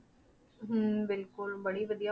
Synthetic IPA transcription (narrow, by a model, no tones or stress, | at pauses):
ɦbɪlkʊlbɐɽiʋɐd̪ija